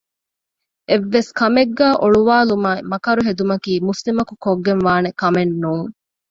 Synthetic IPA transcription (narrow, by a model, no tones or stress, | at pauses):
ʔeʋːeskɐmeɡːæːʔoɭuʋaːlumaemɐkɐɾuɦed̪umɐkiːmuslimɐkukoɡːenʋaːnekɐmenːuːŋ